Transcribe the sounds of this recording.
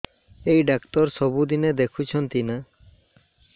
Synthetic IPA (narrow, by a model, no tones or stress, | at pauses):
ejɖakt̪ɔɾsɔbud̪ined̪ekʰut͡ʃʰɔnt̪ina